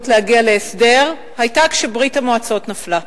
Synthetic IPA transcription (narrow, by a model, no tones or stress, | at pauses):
tlehaɡiale̞ːsde̞ʁ | hajtakʃebʁitamoat͡saotnafla